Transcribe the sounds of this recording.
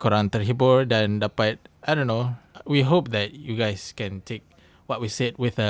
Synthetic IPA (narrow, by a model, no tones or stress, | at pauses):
kʰɔɹãnt̪əɹɦibɔɹdɛ̃ndapat̚ajdõnːowiɦop̚dɛt̚juɡaɪskɛ̃ntʰek̚ | wɔt̚wised̚wɪθə